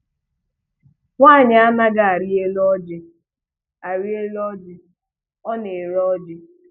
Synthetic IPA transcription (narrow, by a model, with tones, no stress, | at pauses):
ŋʷa˦˨ɲɪ˨˦a˦ma˦ɡa˦a˨ɾi˦e˦lɔ˦d͡ʒɪ˦ | a˨ɾi˦e˦lɔ˦d͡ʒɪ˦ | ɔ˦ne˨ɾɔ˦d͡ʒɪ˦